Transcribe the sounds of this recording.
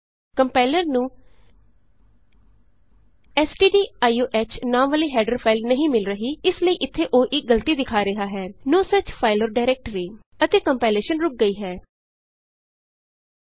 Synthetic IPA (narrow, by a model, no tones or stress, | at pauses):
kəmpaːɪləɾnũː | ɛːsɖiːɖiːaːioːʔɛːt͡ʃʰnaːmʋəliːɦɛːɖəɾpʰaːɪlnəɦĩːmɪlɾəɦiːɪsləiːʔɪt̪ʰːeːʔoːʔɪɡəlt̪iːd̪ɪkʰaːɾɪɦaːɦɛːnoːsət͡ʃpʰaːɪlɔːɾɖaːɪɾɛːk̚ʈəɾiː | ət̪eːkəmpaːleːʃənɾʊk̚ɡəiːɦɛː